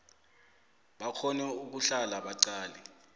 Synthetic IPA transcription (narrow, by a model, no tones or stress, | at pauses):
ɓakʰɔnɛuk̬uɬalaɓaǀaːlɛ